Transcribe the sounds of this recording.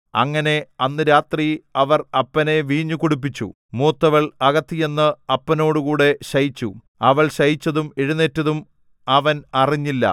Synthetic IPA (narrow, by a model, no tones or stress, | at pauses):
ɐ̰ŋːɐne̞ɐnːɨɾaːt̪riɐʋɐrɐpːɐne̞ʋiːɲːukuɽup̬ːit͡ɕːṵ | muːt̪ːɐʋɐɭɐɣɐt̪ːije̞nːɨɐpːɐno̞ːɽukuːɽe̞ɕɐjit͡ɕːṵ | ɐʋɐɭɕɐjit͡ɕːɐðumeɻune̞tːɐðum | ɐʋɐnɐriɲːilːɐ̰